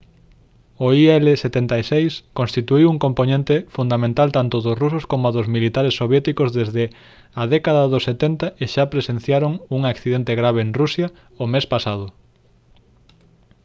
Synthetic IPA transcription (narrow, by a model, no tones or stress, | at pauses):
oiɛleset̪ent̪aisejskõnst̪it̪uiwuŋkomponẽnt̪efund̪amẽnt̪alt̪ant̪ʊðʊsrusoskomʊaðʊzmilit̪aɾesːoβjɛt̪ikozðezðɪ | ɐðɛkaðɐðoset̪ɛnt̪aʔeʃapɾesẽn̟θjaɾoŋuŋakθiðent̪eɣɾaβ̞eeŋrusja | omespasað̞ʊ